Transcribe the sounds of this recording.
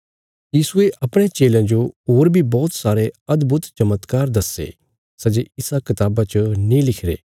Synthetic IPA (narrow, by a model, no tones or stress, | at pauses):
jiːsueʔɐpɽ̃et͡ʃeːlãd͡ʒoɦoːɾbʱibɔːt̪saːɾeɐd̪bʊt̪t͡ʃɐmət̪kaːɾd̪ɐsḛː | sɐd͡ʒeɪsakɪt̪aːbat͡ʃənĩlɪkʰɾḛː